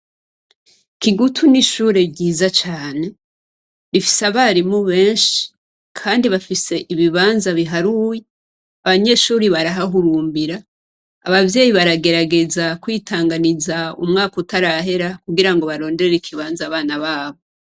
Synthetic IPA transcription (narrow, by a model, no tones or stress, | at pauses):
kiɡutʰuniʃuːɾe̞bɟiːzat͡ʃaːne̞ | βifi̥seaβaːɾimuβe̞ːnʃi̥ | kʰaːndiβafise̞ʔiβiβaːnzaβiɦaɾuje | aβaɲe̞ʃuːɾiβaɾaɦaɦuɾuːmbiɾa | a̰βavje̞ːjiβaɾaɡe̞ɾaɡe̞zakwiːtʰaːŋɡanizaṵmŋaːkoutaɾaɦe̞ɾakuɡiɾaŋɡo̞βaɾo̞ːnde̞ɾeɾeikʰiβaːnzaːβaːnaβaːβo̞